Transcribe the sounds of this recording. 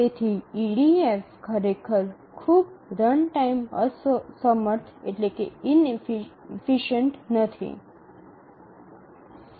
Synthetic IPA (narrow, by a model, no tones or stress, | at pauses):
t̪et̪ʰiiɽiefkʰəɾekʰəɾ | kʰubɾəɳʈaimə̰ssəməɾt̪ʰḛʈlekḛin | fiʃəɳʈnət̪ʰḭ